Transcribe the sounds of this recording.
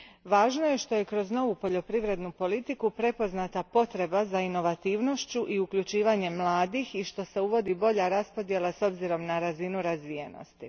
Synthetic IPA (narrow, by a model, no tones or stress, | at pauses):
ʋaːʒnoje̞ʃt̪o̞je̞kɾo̞zno̞ʋupo̞ʎo̞pɾiʋɾe̞d̪nupo̞lit̪ikupɾe̞po̞znat̪apo̞t̪ɾe̞bazaino̞ʋat̪iːʋno̞ʃt͡ɕuʔiukʎut͡ʃiːʋaɲe̞mlˠaːd̪ixiʃt̪o̞se̞uʋo̞d̪ibo̞ʎaɾaspo̞d̪je̞laso̞bziɾo̞mnaɾazinuɾazʋije̞no̞̰st̪i